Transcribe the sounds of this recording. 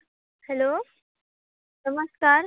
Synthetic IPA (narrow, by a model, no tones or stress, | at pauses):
hɛloː | nɐməskaːɾ